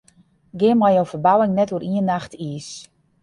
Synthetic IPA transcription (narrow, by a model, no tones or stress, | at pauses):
ɡɪəmajowfərbawɪŋnɛtuəɾʔiənːaxtʰis